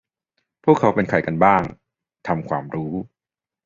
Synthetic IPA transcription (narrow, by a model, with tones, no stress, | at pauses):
pʰu˥˩kʰːa˦˥wpe˧nkʰa˨˩jka˧nbaː˥˩ŋ | t̪ʰa˧mkʰwa̰ː˧mɾuː˦˥